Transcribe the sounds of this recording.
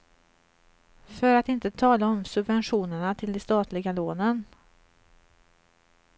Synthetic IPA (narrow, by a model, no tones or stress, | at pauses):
fœɾat̪ɪnt̪ət̪ʰɑːlaɔmsɵbvɛnɧuːnəɳat̪ʰɪld̪ɛst̪ɑːt̪ʰlɪɡaloːnən